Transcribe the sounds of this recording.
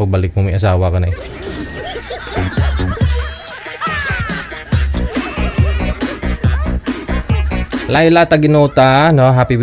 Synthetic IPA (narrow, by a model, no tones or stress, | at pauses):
ək̚balɪk̚mumias̬awakanaj | lailat̪aɡinot̪anɔɦapiw